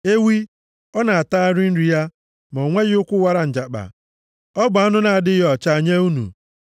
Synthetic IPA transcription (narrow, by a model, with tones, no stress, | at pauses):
e˦wi˦ | ɔ˦na˨a˨ta˦a˦ɾɪ˦n̩˦ɾi˨ja˦ | mɔ˨ŋʷe˦ɣɪ˦ʊ˦kʷʊ˦wa˦ɾa˨n̩˨d͡ʒa˨k͡pa̰˨ | ɔ˦bʊ˨a˦nʊ˦na˨a˨dɪ˦ɦɔ˨t͡ʃa˦˨a˨ɲe˦u˦nṵ˨